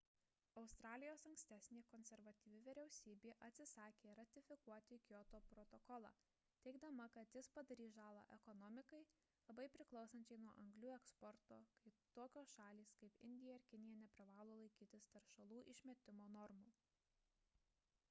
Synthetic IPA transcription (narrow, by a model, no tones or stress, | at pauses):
ɒʊst̪ɾɑːlʲɪjoːsɐŋksʲt̪ʲæːsʲnʲeːkɔnʲsʲɛɾʋɐt̪ʲiːʋʲɪʋʲɪɾʲɛʊsʲiːbʲeːʔɐt̪ʲsʲɪsɑːkʲeːɾɐt̪ʲɪfʲɪkuɔt̪ʲɪkʲjɔt̪oːpɾɔt̪ɔkɔlˠɑ̰ː | t̪ʲɛɪɡd̪ɐmɐkɐt̪jɪspɐd̪ɐɾʲiːʒɑːlˠɐ̰ʔɛkɔnɔmʲɪkɐɪ | lˠɐbɐɪpʲɾʲɪklˠɒʊsɐnʲt͡ʃʲɛɪnuɔʔɐŋɡlʲuːɛkspɔɾt̪oːkɐɪt̪oːkʲoːsʃɑːlʲiːskɐɪpɪ̰nʲd̪ʲɪjɛɪɾkʲɪnʲɪjɛnʲɛpʲɾʲɪʋɑːlˠoːlˠɐɪkʲiːt̪ʲɪst̪ɐɾʃɐlˠuːʔɪʃʲmʲɛt̪ʲɪmoːnɔɾmuː